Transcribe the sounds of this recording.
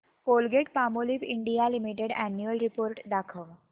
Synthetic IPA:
polɡeʈpamolipiɳɖijalimiʈeɽænjuəlɾipoːɾʈd̪akʰəʋ

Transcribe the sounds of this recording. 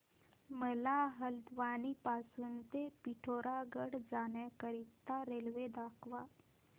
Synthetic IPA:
məlaɦəld̪ʋanipasuːnt̪epiʈʰoɾaɡəɽd͡zaɳjakəɾit̪ːaɾelʋed̪akʰʋa

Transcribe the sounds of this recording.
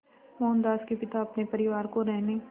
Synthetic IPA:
mɔːnd̪aːskepɪt̪aɐpnepɐɾɪʋaːɾkoɾɛɦne

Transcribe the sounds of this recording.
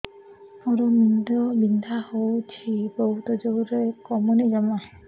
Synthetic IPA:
ɔɾɔmind̪ɔbind̪ʱahowt͡ʃʰiboɦut̪ɔd͡ʒowɾekɔmunid͡ʒamaɦ

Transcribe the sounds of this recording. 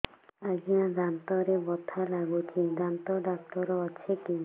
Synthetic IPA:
aɡiãɾant̪ɔɾebɔt̪ʰalaɡukʰidant̪ɔdak̚t̪ɔɾɔːt͡ʃʰeki

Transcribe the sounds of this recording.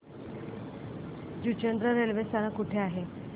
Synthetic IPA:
d͡ʑut͡ɕənd̪ɾəɾelʋest̪anãkuʈʰeaɦe

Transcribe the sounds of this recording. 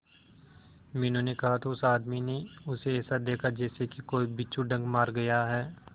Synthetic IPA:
mɛ̃ːnõnekɐɦat̪ʰoʊsaːd̪mineʊseɛːsad̪eːkʰad͡ʒɛːsekikoːibɪːt͡ʃʰuɖɐ̃ŋɡmaːɾɡɐjaɦɛː

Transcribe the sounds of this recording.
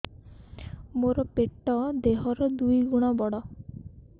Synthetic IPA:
moɾɔpeʈːɔd̪eɦɔɾɔd̪ujɡuɽ̃ɔbɔɽɔ

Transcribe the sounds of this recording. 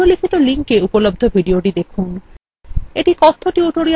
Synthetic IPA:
olikʰit̪oliŋkeupolob̚d̪ʱobʱiɖioʈid̪ekʰun | eʈikɔt̪ʰːoʈioʈoɽi

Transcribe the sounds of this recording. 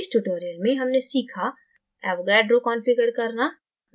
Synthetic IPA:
sʈuʈoːɾijəlmẽɦɐmnesiːkʰa | ɛbɡɛːɖɾokɔ̃ːnfɪɡəɾkɐɾna

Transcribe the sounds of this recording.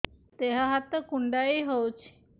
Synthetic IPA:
t̪eɦaɦat̪ːəkuɳɖaiɦowt͡ɕʰ

